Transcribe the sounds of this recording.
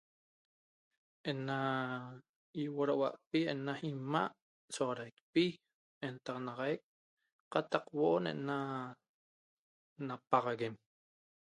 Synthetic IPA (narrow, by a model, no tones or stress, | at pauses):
ʔena | iwoɾawa̰ʔpienaimaʔ | soʁɑɾajk̚pi | ent̪ɑʁɑnɑʁɑjk̚ | qɑt̪ɑqwoʔonḛʔna | napɑʁɑɣem